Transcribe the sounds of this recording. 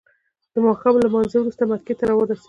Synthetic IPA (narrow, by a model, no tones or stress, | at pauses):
d̪̥əmɑxablamɑnzewɾust̪amat̪ket̪aɾawɑd̪as